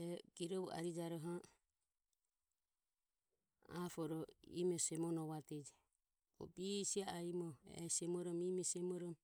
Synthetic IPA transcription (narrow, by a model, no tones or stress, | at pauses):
ɛɡiɾɔβua̰ɾid͡ʒaɾɔɦa | a̰fɔɾɔḭmɔsɛmɔnɔβat̪ɛd͡ʒɛ | ɔ̰bisiaaimɔɛ̰sɛmɔɾɔmimɛsɛmɔɾɔm